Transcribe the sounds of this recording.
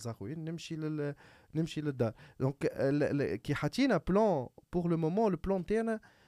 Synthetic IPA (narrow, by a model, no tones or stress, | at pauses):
zˤɑxwjiːnːɪmʃil | nɪmʃilɪd̪ːaːɾd̪ɔ̃klkiħat̪inɛplɑ̃puʁləmomɑ̃ləplɑ̃t̪eʕnæ